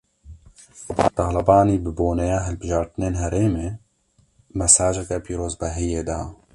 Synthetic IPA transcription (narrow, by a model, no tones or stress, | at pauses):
t̪ɑːlɐbaːniːbɨboːnɛjaːɦɛlbɨʒɑːɾt̪ɨneːnɦɛɾeːmeː | mɛsaːd͡ʒɐkɛpiːɾoːzbɛɦijeːd̪aː